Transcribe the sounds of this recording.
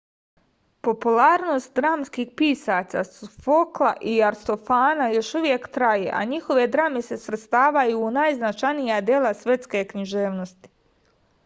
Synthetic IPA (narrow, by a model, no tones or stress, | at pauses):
po̞pulaːɾno̞st̪̚d̪ɾaːmskiːxpiːsaːsasfoklˠaʔiaɾst̪o̞faːnajo̞ʃuʋje̞kt̪ɾajeʔa̰ɲixo̞ʋe̞d̪ɾamese̞sʋɾet̪st̪aːʋajuːnaːjznat͡ʃanijad̪jelˠasʋje̞t̪ske̞kɲiʒe̞ːʋnost̪i̥